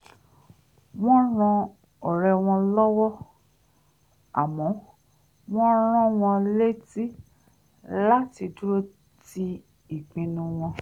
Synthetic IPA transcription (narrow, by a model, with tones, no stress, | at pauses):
w̃ɔ̃˦ɾ̃ɔ̃˧ | ɔ˨ɾɛ˧w̃ɔ̃˧lɔ˦wɔ˦ | a̰˨mɔ̃˨˦ | w̃ɔ̃˦ɾ̃ɔ̃˦w̃ɔ̃˧le˦ti˦ | la˦ti˧du˦ɾo˦ | ti˧ | i˨k͡pĩ˧nũ˧w̃ɔ̃˧